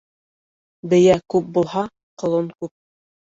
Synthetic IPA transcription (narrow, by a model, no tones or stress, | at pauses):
bɘ̆jækʉp̚bulˠhɑ | qŏlˠoɴkʉp̚